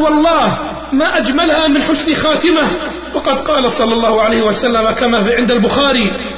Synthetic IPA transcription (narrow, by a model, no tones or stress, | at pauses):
wɑlˤːɑːh | maːʔad͡ʒmalhamɪnħʊsnxaːt̪ɪmah | wɑqɑd̪qɑːlasˤɑlːɑlˤːɑːhʊʕalajhɪwasalːamakamaːfʕɪnd̪albʊxaːɾi